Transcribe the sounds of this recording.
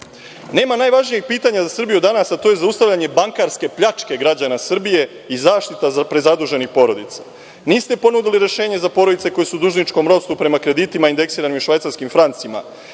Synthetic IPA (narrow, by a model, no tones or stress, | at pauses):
ne̞ːmanaːjʋaʒnijex̚piːt̪aɲazasr̩bijud̪anasat̪o̞je̞zaust̪aʋʎʲaɲe̞baŋkaɾske̞pʎat͡ʃke̞ɡɾad͡ʑanasr̩bije̞ | izaːʃt̪it̪apɾe̞zad̪uʒe̞nixpo̞ɾo̞d̪it̪sḁ | niːst̪e̞po̞nud̪iliɾe̞ʃe̞ːɲe̞zapo̞ːɾod̪it̪e̞ko̞jesud̪uʒnit͡ʃko̞mɾo̞st̪upɾe̞makɾe̞d̪it̪imaind̪e̞ksiːɾanimʃʋajt̪saɾskimfɾant̪sima̰